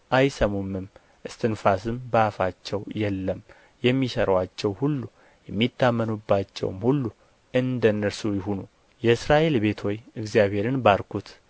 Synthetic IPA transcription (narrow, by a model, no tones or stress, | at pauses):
ʔajsəmomːɨm | ʔɨst̪ʰɨnfasɨmbəafat͡ʃːɛwjɛlːəm | jɛmːisəɾwat͡ʃːɛwhulːu | jɛmːit̪ːamːənubːat͡ʃːɛ̰wmhulːu | ʔɨnd̪ənːəɾsujɪɦunu | jɛɨsɾaʔe̞lbe̞t̪ʰojɨɡzijabhe̞ɾɨnbaɾkʰut̪